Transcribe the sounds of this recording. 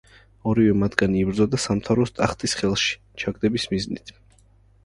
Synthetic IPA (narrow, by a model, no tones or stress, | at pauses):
ɔɾivɛmad̪ɡaniːbɾd̪zɔd̪asamt̪ʰavɾɔst̪ʼaχt̪ʼisχɛlˠʃi̥ | t͡ʃʰaɡd̪ɛbismiznḭt̪ʰ